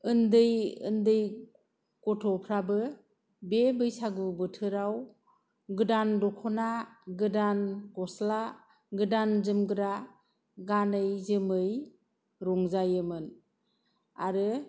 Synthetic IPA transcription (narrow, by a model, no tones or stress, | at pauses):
ɯndɯjɯ̰ndɯj | kɔtʰɔpʰɾabɯ | bebɯjsaɡubɯtʰɯɾaw | ɡɯdandɔkʰɔnaɡɯdankɔsla | ɡɯdanzɯmɡɯɾa | ɡanɯjzɯmɯj | ɾɔŋzajɯmɯn | aɾɯ